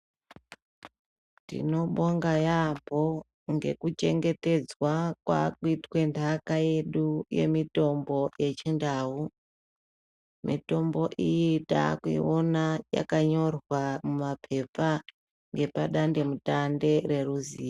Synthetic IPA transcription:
tḭno̞ɓoŋɡajampo̞ | ŋɡe̞̰kut͡ʃe̞ŋɡe̞te̞d͡zwakwa̰kuitwe̞ntʰakaje̞ɗuje̞̰mito̞mbo̞je̞t͡ʃindaːu | mito̞mbo̞ʔijita̰kuḭonaja̰kaɲo̞rwamumapʰe̞p͡fa | ŋɡe̞paɗande̞mutande̞re̞ɾuziːa

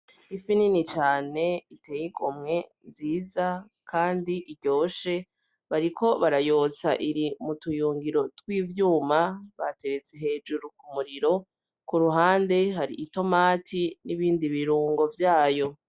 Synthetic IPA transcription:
ifininit͡ʃaːne̞ite̞ːjikomŋe̞ | nziːza | kʰaːndiʔiɾɟo̞ːʃe̞ | βaɾikʰo̞βaɾajo̞t͡saʔiɾimutujuːŋɡiɾo̞twiːvjuːmaβate̞ɾet͡se̞ɦe̞ːd͡ʒuɾukumuɾiɾo̞ | kuɾuɦaːnde̞ɦaɾḭʔito̞maːtʰiniβiːndiβiɾuːŋɡo̞vjaːjo̞

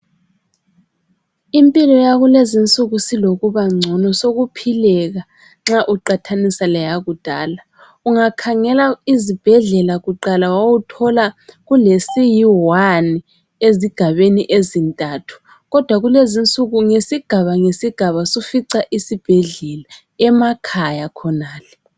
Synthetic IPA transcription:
impʼilɔjaɣulezint͡sʼuɣusiloɣuβaŋ͡ǀʱɔnɔsoɣupʰilɛɣa | ŋ͡ǁaʔuǃatʰanisalɛjaɣud̥ʱaːla | uŋakʰaŋɛlaizib̥ʱɛɮɛlaɣuǃalawawutʰɔlaɣulesijiwani | eziɡ̥ʱaβeniʔezintʼaːtʰu̥ | ɣɔd̥ʱwaɣulezint͡sʼuɣuŋesiɡ̥ʱaβaŋesiɡ̥ʱaβasufiǀaʔisib̥ʱɛɮɛla | ɛmakʰajakʰɔnaːlɛ

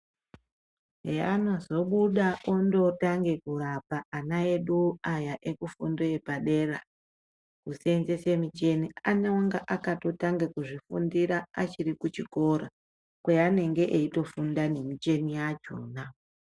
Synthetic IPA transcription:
ɦeanozo̞ɓuɗaʔondo̞taŋɡe̞kurapaːnaeɗuajaʔekufundoepaɗe̞ra | kusenzesemit͡ʃe̞nianewaŋɡaʔakato̞taŋɡekuʐifundiɾaːt͡ʃirikut͡ʃiko̞ɾa | kwejane̞ŋɡe̞ʔeito̞fundane̞mit͡ʃe̞nijad͡ʒo̰na

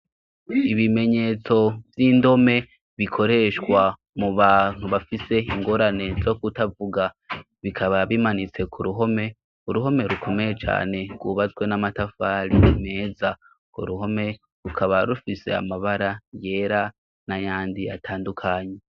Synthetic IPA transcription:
iβime̞ɲe̞t͡so̞vjindo̞me̞ | βikʰo̞ɾe̞ʃkwa | muβaːn̥huβafise̞iŋɡo̞ɾane̞zo̞kutavuɡa | βikʰaβaβimanit͡se̞kʰuɾuɦo̞me̞ | uɾuɦo̞me̞ɾukʰo̞me̞jet͡ʃa̰ːne̞ɡ̥wuβat͡swe̞namatafaːɾime̞ːza | koɾuɦo̞me̞ | ɾukʰaβaɾufise̞̰a̰maβaɾaje̞ːɾa | najaːndia̰tʰaːndukʰaːɲe̞

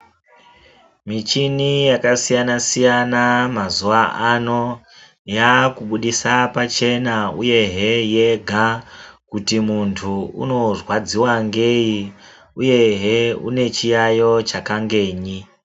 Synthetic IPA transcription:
mit͡ʃinijakasijanasijanamazuʋaʔano̞ | jakuɓuɗisapat͡ʃe̞nauje̞ɦeje̞ɡʱakutimuntʰuṵno̞rwad͡ziwaŋɡeji | uje̞ɦeṵne̞t͡ʃijajo̞t͡ʃakaŋɡe̞ːɲi

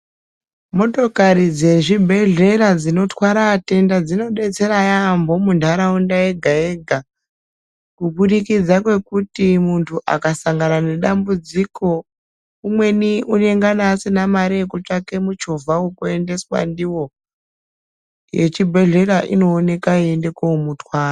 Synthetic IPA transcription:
mo̞to̞kaɾid͡ze̞ʐibʱe̞ɮe̞ɾad͡zino̞twaɾaːte̞ndad͡zino̞ɓe̞t͡se̞ɾajambo̞mundʱaɾaundae̞ɡʱaeɡʱa | kuɓuɗikid͡zakwe̞kutimuntʰuʔa̰kasaŋɡanane̞ɗambud͡ziko̞ | umwe̞niune̞ŋɡanaːsinamaɾekut͡ʂake̞mut͡ʃovʱawokue̞nde̞swa̰ndiwo̞ | je̞̰t͡ʃibʱe̞ɮe̞ɾaʔḭno̞ːne̞kaiende̞koumutwaːra

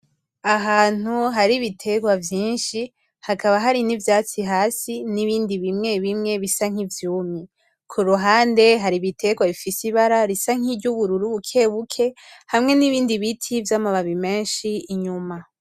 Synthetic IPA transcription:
aɦaːn̥uɦaɾiβitʰe̞ɡwavjiːnʃi | hakaβaɦaɾinivjaːt͡siɦaːsiniβiːndiβimŋe̞βimŋe̞βisaŋ̥ivjuːmi | kʰuɾuɦaːnde̞ɦaɾiβitʰe̞ɡwaβifisiβaɾaɾisaŋ̥iɾɟuβuɾuɾuβukʰe̞βukʰe̞hamŋe̞niβiːndiβitʰivjaːmaβaβime̞ːnʃiːɲuma

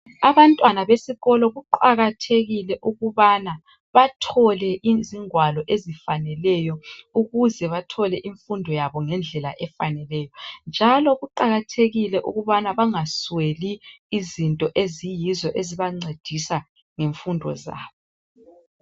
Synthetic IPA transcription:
aβantʼwanaβesiɣɔlɔɣuǃaɣatʰeɣilɛʔuɣuβana | βatʰɔlɛʔiziŋwalɔʔezifanɛlɛjɔuɣuzɛβatʰɔlɛʔiɱfundʱɔjaβɔŋɛnd͡ɮʱɛla̰ʔɛfanɛlɛːjɔnd͡ʒʱalɔɣuǃaɣatʰeɣilɛʔṵɣuβanaβaŋasweliːzintʼɔʔezijizɔʔeziβaŋ͡ǀed̥ʱisa | ŋeɱfundʱɔ̰za̰ːβɔ

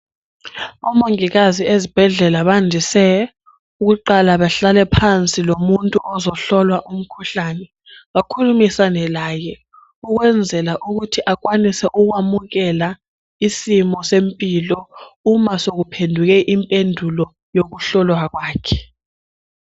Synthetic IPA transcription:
ɔmoŋiɣaziezib̥ʱɛɮɛlaɓandʱisɛ | uk̬uǃalaɓaɬalɛpʰant͡sʼilomuntʼuʔɔzɔɬɔlwaʔum̩kʰuɬanɛ | wakʰulumisanɛlaːjɛ | uk̬wɛnd͡zʱɛlaʔuk̬utʰiʔak̬ʼwanisɛʔuk̬wamuɣ̬ɛla | isimɔsempʼilɔumasok̬upʰendʱuk̬ɛʔimpʼendʱulɔ | jok̬uɬɔlwak̬waːkʰɛ̥

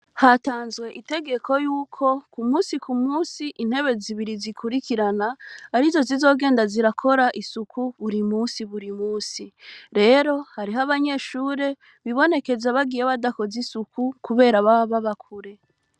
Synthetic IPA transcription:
hataːnzɡwe̞ʔite̞ɡe̞ko̞juːkʰo̞kumuːsikumuːsiʔin̥he̞βe̞ziβiɾizikʰuɾikiɾanaːɾizo̞zizo̞ːɡe̞ːndaziɾakʰo̞ɾaʔisukʰuβuɾimuːsiβuɾimuːsiɾe̞ːɾo̞haɾiɦaβaɲe̞ːʃuːɾe̞ | βiβo̞ne̞ke̞zaβaɡijeβadako̞zisukukuβe̞ːɾaβaβaβakʰuɾe̞

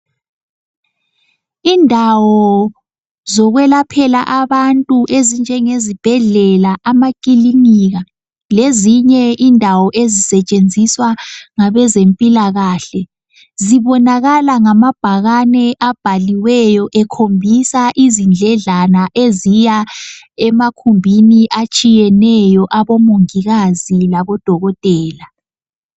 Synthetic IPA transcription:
iːndʱawɔ | zɔɣwɛlapʰɛla̰ʔaβantʼuʔezind͡ʒʱɛŋezib̥ʱɛɮɛlaʔamakʼiliŋiɣa | leziɲɛʔiːndʱawɔʔezisɛt͡ʃʼend͡zʱiswaŋaβɛzempʼilaɣaːɬɛ | ziβɔnaɣalaŋamab̥ʱaɣanɛʔab̥ʱaliwɛjɔʔɛkʰombʱisaʔizind͡ɮʱɛɮanaʔezija | ɛmakʰumbʱiniʔat͡ʃʼijɛnɛjɔʔaβɔmuŋiɣazilaβɔd̥ʱɔɣɔtʼɛːla

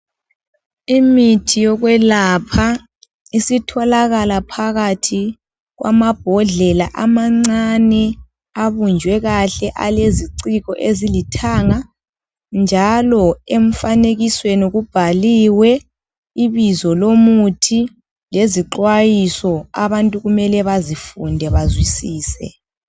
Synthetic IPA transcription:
imitʰijɔɣwɛlapʰa | isitʰɔlaɣalapʰaɣatʰi | ɣwʔa̰mab̥ʱɔɮɛlaʔamaŋ͡ǀanɛ | aβund͡ʒʱwɛɣaɬɛʔa̰leziǀiɣɔʔezilitʰaŋa | nd͡ʒʱalɔeɱ̩faneɣiswenuɣub̥ʱaliwɛ | iβizɔlomutʰi | leziǃwajisɔaβantʼuɣumɛlɛβazifundʱɛβazwisiːsɛ̰

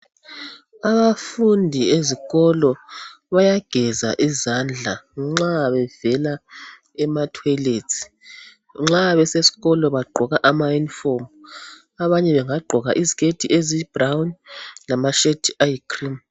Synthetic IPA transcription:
aβafundʱieziɣɔlɔ | βajaɡ̥ʱɛza̰ʔizand͡ɮʱa̰ŋ͡ǁaβɛvɛla | ɛmatʰwɛletʰi̥ | ŋ͡ǁaβɛsesi̥ɣɔlɔβaɡ͡ǃʱɔɣaʔamajunifom | aβaɲɛβɛŋaɡ͡ǃʱɔɣaʔiziɣetʰʼiʔezib̥rawnlamaʃetʰajikʰrim

